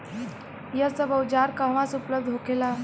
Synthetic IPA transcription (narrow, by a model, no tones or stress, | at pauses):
jəsəbəwd͡ʑaɾkaʋãsupləb̚d̪ʱɦokela